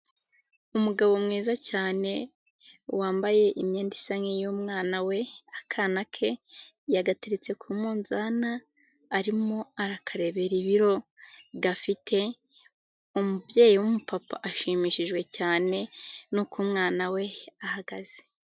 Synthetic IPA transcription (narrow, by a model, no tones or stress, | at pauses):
umuɡaβo̞mŋiːzacaːne̞ | waːmbaje̞ʔimɲeːndisaŋejumŋaːnawe̞akʰaːnakʰe̞ | jaɡateɾet͡se̞kʰumuːnzaːnaː | ɾimo̞aɾakʰaɾe̞βeɾiβiɾo̞ɡafitʰe̞ | umubje̞ːjiwumupapa̰ʔaʃimiʃiʒɡwe̞caːne̞nukumŋaːnawe̞ahaɡaz̥e̥